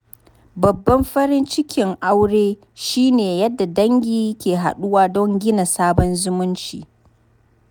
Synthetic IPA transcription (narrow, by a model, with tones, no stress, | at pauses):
bɐ˨bːɐ˦mɸɐ˦ɾɪ˦nt͡ʃɪ˦kʲɪ˨ŋʔa˦wɽeː˦ | ʃiː˦neː˨jɐ˦dːa˨dɐ˦ŋɡʲiː˦kʲeː˨ɦa̰˨ɗʊ˦waː˦dɔ˦ŋɡʲɪ˦na˨saː˦bɔ˦nzʊ˦mʊ˦nt͡ʃḭː˨